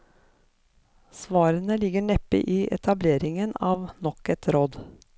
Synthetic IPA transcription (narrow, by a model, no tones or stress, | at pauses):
sʋɑːɾənəlɪɡəɳɛpɪ̰ʔiːʔɛt̪ʰɑbleːɾɪŋənɑːʋnɔkɛt̪ʰɾoːd̪